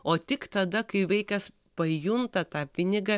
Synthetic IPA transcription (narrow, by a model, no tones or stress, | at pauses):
oːt̪ʲɪkt̪ɐd̪ɐkɐɪʋʲɛɪkʲɛs | pɐjʊnt̪ɐt̪ɑːpʲɪnʲɪɡɐ